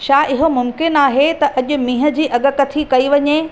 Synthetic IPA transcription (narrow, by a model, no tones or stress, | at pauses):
ʃaːʔɪɦomʊmkɪnaːɦet̪ɐʔɐʄʊ̆mĩːɦə̆d͡ʑiːʔɐɠə̆kɐt̪ʰikɐiʋɐɲe